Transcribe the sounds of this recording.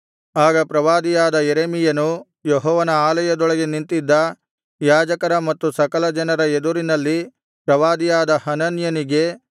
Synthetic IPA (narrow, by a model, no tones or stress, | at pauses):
aːɡɐpɾɐʋaːd̪ijaːd̪ɐjeɾeːmijɐnu | jeɦɔːʋɐnɐaːlɐjɐd̪ɔɭɐɡe̞nint̪id̪ːɐ | jaːd͡ʒɐkɐɾɐmɐt̪ːusɐkɐlɐd͡ʒɐnɐɾɐed̪uɾinɐlːi | pɾɐʋaːd̪ijaːd̪ɐhɐnɐnjɐniɡe̞